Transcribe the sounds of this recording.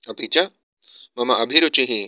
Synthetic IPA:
ɐpit͡ʃa | mɐmaʔɐbʱiɾot͡ʃiɦĩ

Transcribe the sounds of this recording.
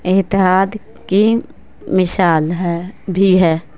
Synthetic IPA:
ɪt̪ɪɦaːd̪ | ki | mɪsaːlɦɛbʱiɦɛː

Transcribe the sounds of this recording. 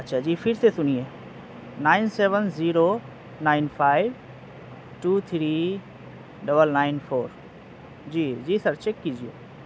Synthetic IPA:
ɐtːʃʰaːd͡ʑiːpʰɪɾsesʊnie | naːɪnseːʋənziːɾo | naːɪnfʰaːiʋ | ʈuːt̪ʰɾiː | ɖɐbəlnaɪnfoːɾ | d͡ʑiːd͡ʒiːsɐɾt͡ʃekːid͡ʒʱijoː

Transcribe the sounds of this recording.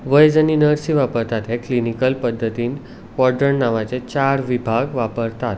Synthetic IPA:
ʋəjd͡zəninəɾsiʋapəɾt̪at̪ɦeklinikəlpəd̪ʱːət̪iːn | kɔɾɖəɳnaʋat͡set͡ɕaɾʋibʱaɡʋapəɾt̪at̪

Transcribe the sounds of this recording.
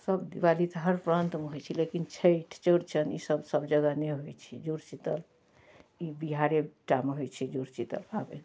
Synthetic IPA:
səbd̪iʋalit̪ɦəɾpɾənt̪meɦojt͡ʃʰilekint͡ʃʰəʈʰt͡ʃəɽt͡ʃʰənḭsəbsəbd͡ʒəɡəneɦojt͡ʃʰid͡ʒuɾt͡ʃit̪əl | ibiɦaɾeʈameɦojt͡ʃʰid͡ʒuɾt͡ʃit̪ə̰lpabḛ

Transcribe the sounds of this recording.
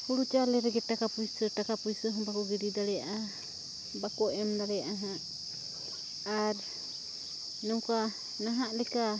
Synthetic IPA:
huɽut͡ʃalɛɾɛɡɛʈakapujsəʈakapujsəɦɔbakɔɡiɾid̪aɽɛjaʔa | bakɔʔɛmd̪aɽɛjaʔaɦãʔ | aɾ | nɔka | naɦaʔlɛka

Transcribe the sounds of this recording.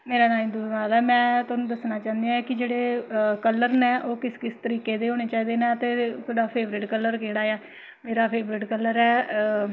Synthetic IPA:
meːɾaːnaːĩːd̪unaːlɛːmɛ̃ːt̪ɔːnũːd̪əsnaːt͡ʃãːnd̪ijãkɪd͡ʒeːɽeːkəlːəɾnɛːʔoːkɪskɪst̪əɾiːkeːd̪eːɦoːɽ̃eːt͡ʃaːiːd̪eːnãːət̪eːk̪oɽaːpʰeːʋɾɪʈkələɾkeːɽaːɛː | meːɾaːpʰeːbɾɪʈkəlːəɾɛː

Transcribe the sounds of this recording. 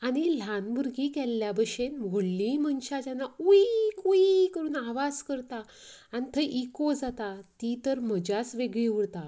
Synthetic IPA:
aɽ̃il̤anbuɾɡikɛlːjabəɕenʋʱoɽlĩmənɕad͡ʑjanːauikuikəɾuːnaʋad͡zkəɾt̪a | anit̪ʰəʔikod͡zat̪at̪it̪əɾməd͡ʑat͡sʋeɡɭĩuɽt̪a

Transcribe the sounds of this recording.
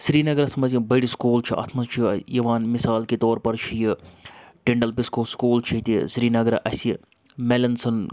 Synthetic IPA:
sɾiːnɐɡɐɾɐsmɐzĩbɐɽiskuːlt͡ʃʰiʔɐ̰t̪ʰmɐst͡ʃʰijɐʋaːnmisaːlkit̪oːɾpɐɾt͡ʃʰijɨʈeɳɖɐlpiskoːskuːlt͡ʃʰit̪ʲisɾiːnɐɡɐɾɐʔɐsi | melɐnsɐn

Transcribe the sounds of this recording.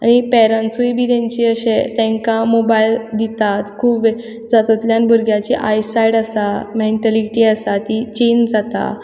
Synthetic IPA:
a̰ɽ̃ipɛɾənsujbʱiːt̪ɛ̃ɲt͡ɕiːəɕet̪ɛ̃ŋkãmobaild̪it̪at̪kʰuːbʋe | d͡zat̪ot̪ljãnbəɾɡjat͡ɕiʔajsajɽasameɳʈəliʈiasat̪it͡ɕend͡zat̪a̰

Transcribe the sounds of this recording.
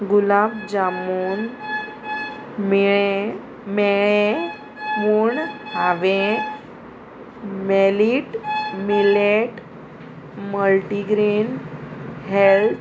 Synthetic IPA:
ɡulabd͡ʑamuːn | miɭe | mɛɭẽ | muɳhaʋẽ | meliʈmileʈ | məlʈiɡɾin | ɦelt̪

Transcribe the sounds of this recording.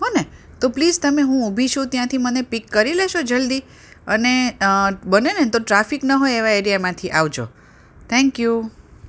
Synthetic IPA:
ɦone | t̪oplid͡ʒt̪əmeɦũubʱit͡ʃʰũt̪jãt̪ʰimənepikːəɾileʃod͡ʒəld̪i | əne | bənenet̪oʈɾafiknəɦoeʋaeɾijamãt̪ʰiʔaʋd͡ʒo̰ | t̪ʰɛ̃ŋkju

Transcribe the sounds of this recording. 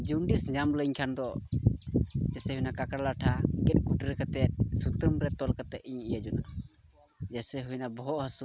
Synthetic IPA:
d͡ʒuɳɖisɲamləɲkʰand̪ɔ | d͡ʒɛsɛɦujnakakaɽlaʈʰakɛt̪̚ˀɡuʈɾɛkat̪ɛt̪̚sut̪əmɾɛt̪ɔlkat̪ɛʔiɲijad͡ʒuna | d͡ʒɛsɛɦujnabɔɦɔʔhəsu

